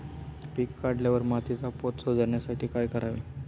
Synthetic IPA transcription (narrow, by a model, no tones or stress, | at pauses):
pikːaɖljaʋəɾmat̪it͡sapot̪sod͡zəɾɳjasaʈiːkajkəɾaʋḭ